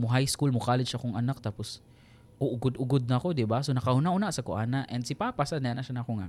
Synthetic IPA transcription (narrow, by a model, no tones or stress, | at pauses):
mʊɦajskulmʊkaːlɪʃakʊŋʔɐnak̚t̪aːpʊs | ʔoʔʊɡʊd̪ʊɡod̪̚nɐkod̪ɪbasonɐkɐhʊnaʔhʊnaʔsɐkʊʔaːnaʔɛnd̪sɪpaːpasad̪nɐjanɐʔʃanɐkoŋa